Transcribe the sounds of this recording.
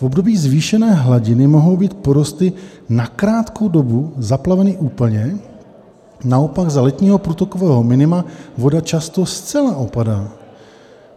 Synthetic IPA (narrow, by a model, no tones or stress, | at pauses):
fo̞bdo̞biːzviːʃɛnɛːɦlaɟɪnɪmo̞ɦo̞wbiːt̪̚po̞ɾost̪ɪ | nakɾaːt̪kʰo̞wdo̞buzaplavɛnɪʔuːpl̩ɲɛ | nao̞paɡzalɛt̪ɲiːɦopɾuːt̪oko̞vɛːɦo̞mɪnɪmavo̞dat͡ʃast̪o̞st͡sɛlaʔo̞padaː